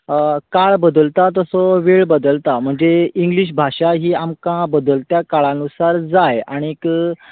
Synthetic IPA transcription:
kaɭbəd̪əlt̪at̪əsɔʋeɭbəd̪əlt̪am̤əɳd͡zeiŋɡliɕ̬bʱaʂaɦiːamkãbəd̪əlt̪jakaɭãnusaɾd͡zaja̰ɽ̃ik

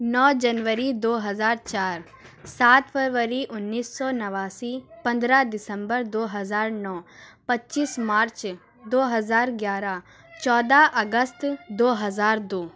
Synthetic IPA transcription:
nɔːd͡ʒənʋəɾid̪oːɦɐzaːɾt͡ʃaːɾ | saːt̪pʰəɾʋəɾiʔʊnːiːsːɔːnɐʋaːsipɐ̃nd̪ɾad̪ɪsə̃mbəɾd̪oːɦɐzaːɾnɔːpɐtːt͡ʃiːsmaːɾt͡ʃ | d̪oːɦɐzaːɾɡjaːɾa | t͡ʃɔːd̪aʔɐɡəst̪d̪oːɦɐzaːɾd̪oː

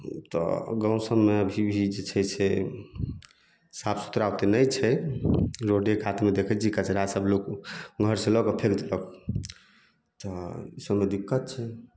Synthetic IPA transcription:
t̪ɔ̰ɡə̃w̃səmːeəbʱibʱid͡ʒet͡ʃʰɛt͡ʃʰe | sapsu̥t̪ɾawt̪enəjt͡ʃʰɛ | ɾoɖekat̪ʰmed̪ekʰɛd͡ʒikat͡ʃʰeɾasəblokɡʱəɾsẽlɔkəpʰekt̪lɔk | t̪ɔisəmed̪ikːət̪̚t͡ʃʰɛ

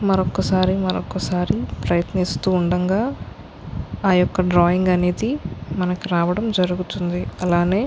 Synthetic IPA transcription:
mɐɾɔkːɐsaːɾimɐɾɔkːɐsaːɾipɾɐjɐt̪nist̪uːɳɖɐŋɡaː | aːjɔkːɐɖɾaːjiŋɡɐneːd̪imɐnɐkiɾaːʋɐɽɐmd͡ʒɐɾuɡut̪und̪iɐlaːne̞ː

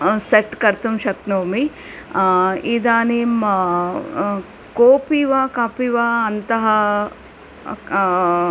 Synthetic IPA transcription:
seʈkɐɾt̪umʃɐk̚noːmi | id̪aːnim | koːpiʋaːkaːpiʋaːɐnt̪ɐɦɐ

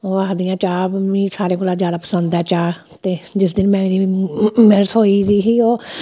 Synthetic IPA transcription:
oːaːd̪ɪjãːt͡ʃaːbmĩːsaːɾẽːkoːlaːd͡ʒjaːd̪aːpə̥sənd̪ɛːt͡ʃaː | t̪eːd͡ʒɪsd̪ɪnmɛ̃ːmeːɾimɛɾəsɦoːiːɾiːɦiːoː

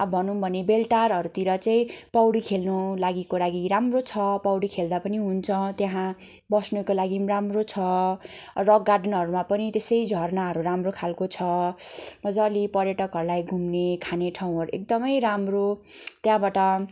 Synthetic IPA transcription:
ʌbʱʌnubʱʌnebelʈarɦʌɾut̪iɾʌt͡saĩpʌwɽikʰelnulaɡikolaɡiɾamrot͡sʰʌpʌwɽikʰeld̪apʌniɦunt͡sʰʌ̃t̪jaɦãbʌsnukolaɡiramrot͡sʰʌ | rʌɡːarɖʌnɦʌɾumapʌnit̪esʌjd͡zʱʌrnaɦʌɾuɾamrokʰalkot͡sʰʌ | bʌd͡zalipʌrjʌʈʌkɦʌɾulajɡʱumnekʰaneʈʰaw̃ɦʌɾuek̚d̪ʌmʌjɾamrot̪jaɦãbaʈʌ

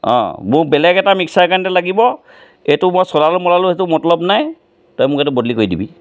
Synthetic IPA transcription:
ɔ̰̃mʊbɛlɛɡɛtamiksaɹkantɛlaɡibɔ | etʊmɔsɔlalʊmɔlalʊɦetʊmɔtlɔbnaj | tɔjmʊkɛtʊbɔdlikojdibḭ

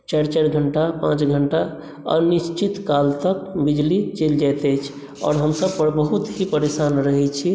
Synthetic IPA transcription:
t͡ʃaɾt͡ʃaɾɡʱəɳʈapã̰t͡ʃɡʱəɳʈa | ə̰nist͡ʃit̪kalt̪ək̚bid͡ʒlit͡ʃeld͡ʒat̪ɛjt͡ʃʰ | ɔ̰ːɾɦəmsəb̚pəɾbəɦut̪ɦipəɾesanɾəɦɛt͡ʃʰi

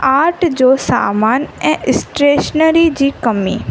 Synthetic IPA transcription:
aːɾʈd͡ʑoːsa̰ːmaːnɛ̃ːɪsʈɾeːʃnəɾid͡ʑiːkɐmḭː

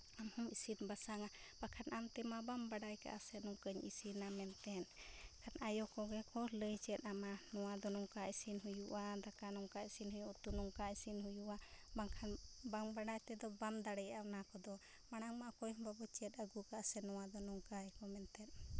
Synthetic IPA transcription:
amhɔmisinbasaŋabakʰanʔamt̪ɛmabambaɖajka̰ʔasɛnɔŋkəɲisinamɛnt̪ɛnkʰanajɔkɔɡɛkɔləjt͡ʃɛt̪̚amanɔwad̪ɔnɔŋkaʔisinɦujuʔad̪akanɔŋkaisinhujuʔt̪unɔŋkaisinɦujuʔabaŋkʰanbaŋbaɖajt̪ɛd̪ɔbamd̪aɽɛjanakɔd̪ɔ | maɽ̃aŋmaʔakɔjhɔmbabɔt͡ʃɛt̪̚əɡukaʔasɛnɔwad̪ɔnɔŋkajkɔmɛnt̪ɛn

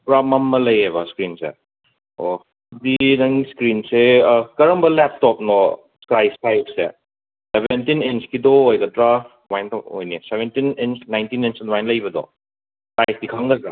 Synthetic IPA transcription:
pɾamɐmːɐlɐjebɐskɾinsḛ | o | ɐdinɐŋiskɾinsekɐɾɐmbɐlɛp̚tɔp̚nɔ | skɾajspajssḛ | sebʱentinent͡ʃkidɔojɡɐdɾaf | wajntɔo̰jnesebentinent͡ʃnajntinent͡ʃwajnlɐjbɐdɔ̰ | skajsdikʰɐŋdɐdɾa

